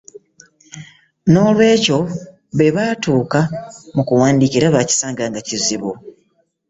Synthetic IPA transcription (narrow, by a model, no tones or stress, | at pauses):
no̞ːlwe̞ːco̞ | βe̞βaːtuːkamukuwaːndiciɾaβaci̥saːŋɡaːŋɡaciziβu